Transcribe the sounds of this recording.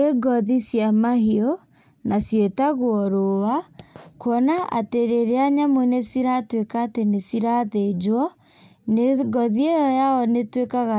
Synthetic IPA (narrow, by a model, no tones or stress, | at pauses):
eɡɔðisjamaɦiɔ | nasjetaɣoɔɾowakoɔnaʔa̰teɾeɾeaɲamwenesiɾatwekaːtenesiɾaðed͡ʒwɔ | neɡɔðiejɔjaɔnetwekaɣa